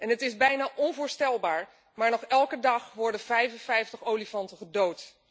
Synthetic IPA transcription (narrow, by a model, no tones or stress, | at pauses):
ɛnɦətɪzbɛjnaːʔɔnvʊːɹstɛlˠbaːɹ | maːɹnɔχɛlˠkədɑχʋɔɹdənvɛjfənvɛjftəχowlifɑntəχədowt